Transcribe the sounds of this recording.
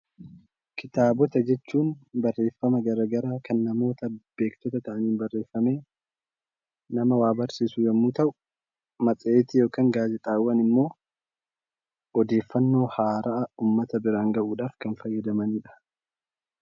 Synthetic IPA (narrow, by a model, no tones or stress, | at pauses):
kɪt̪aːbɔt̪ɐd͡ʒɛt͡ʃːuːnbɐrːe̞ːfːɐmɐɡɐɾɐɡɐɾaːkɐnːɐmo̞ːt̪ɐb̥e̞ːkt̪ɔt̪ɐt̪ɐʔɐniːnbɐrːe̞ːfːɐme̞ː | nɐmɐwaːbɐɾsiːsʊjɛmːut̪ɐʔʊʊ | mɐt͡sʼeːt̪ɪjoːkaːŋɡaːzɛt̪ʼaːwːɐnɪmːo̞ː | ɔd̪e̞ːfːɐnːo̞ːhaːɾɐʔɐuːmːɐt̪ɐbɪɾaːŋɡɐʔuːᶑaːfkɐnfɐjːɐd̪ɐmɐniːᶑɐ̥